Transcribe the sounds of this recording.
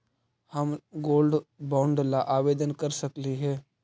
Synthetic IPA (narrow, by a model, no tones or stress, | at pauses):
həmɡoːlɖbãːɳɖlaʔaːʋeːd̪ənkəɾsəkliɦɛː